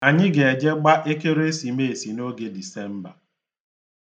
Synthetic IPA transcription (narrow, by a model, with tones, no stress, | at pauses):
a˨ɲɪ˦ɡe˨e˨d͡ʒe˦ɡ͡ba˦ʔe˦ke˦ɾe˦si˨me˦˨e˨si˨no˦ɡe˦di˨sɛ˦m̩˦ba˨